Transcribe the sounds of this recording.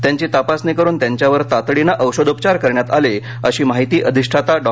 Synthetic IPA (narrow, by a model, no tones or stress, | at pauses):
t̪jaɲt͡ɕiːt̪apasnikəɾuːnt̪jaɲt͡ɕjaʋəɾt̪at̪ɽinaʔəwɕəd̪upt͡ɕaɾkəɾɳjat̪ale | əɕiːmaɦit̪iːʔəd̪ʱiʂʈʰat̪aɖɔ